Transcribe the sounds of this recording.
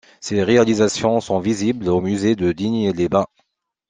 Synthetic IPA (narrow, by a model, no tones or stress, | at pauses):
seʁealizasjɔ̃sɔ̃viziblomyzed̪əd̪iɲelebɛ̃